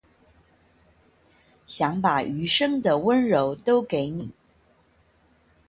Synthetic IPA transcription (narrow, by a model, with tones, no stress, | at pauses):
ɕjɑ˧˥ŋpa˨˩ʔy˧˥ʂɤ˥ŋd̪ə˨wə˥nɻo˧˥ʊt̪o˥ʊke˧˥ɪni˨˩˦